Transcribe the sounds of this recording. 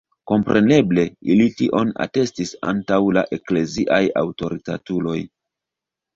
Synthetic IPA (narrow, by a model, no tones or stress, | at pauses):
ko̞mpɾʔe̞ne̞ble̞ilitiʔo̞na̰te̞stisa̰ntawlaʔe̞kle̞ziʔaja̰wto̞ɾita̰tulo̞j